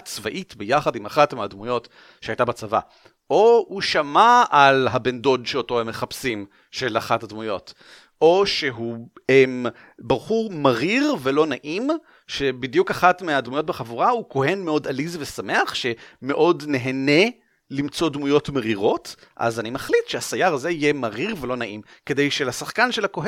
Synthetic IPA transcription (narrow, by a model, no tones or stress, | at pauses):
t͡svaʔitbejaχadimaχatmeadmujo̞t | ʃeajtabat͡sava̰ | ʔouʃamaalɦabendo̞dʃeoto̞hemːeχapsim | ʃelaχathadmujo̞t | o̞ʃe̞ɦuem | baʁχumaʁiʁvelo̞naʔim | ʃe̞bidjukaχatmeadmujo̞t̚beχavuʁahuko̞ɦe̞nmeo̞dalizvesame̞aχʃeme̞ʔo̞dne̞ɦene̞ | limt͡so̞dmujo̞tmeʁiʁo̞t | ʔa̰zanimaχlitʃeasajaʁaze̞ijemaʁiʁve̞lo̞naʔimke̞dejʃelasaχkanʃelako̞ɦe